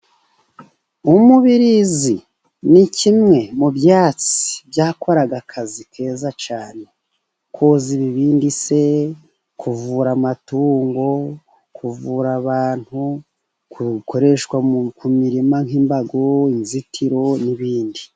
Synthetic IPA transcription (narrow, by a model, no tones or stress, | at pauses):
umuβiɾizi | nicimŋe̞mubjaːt͡si̥bjaːko̞ɾaɡakʰazikʰe̞ːzat͡ʃaːne̞ | kʰoːziβiβiːndise̞ | kʰuvuːɾamatuːŋɡo̞ | kʰuvuɾaβaːn̥hu | kuko̞ɾe̞ʃkwakumiɾimaŋiːmbaɡoinzitʰiɾo̞niβiːndi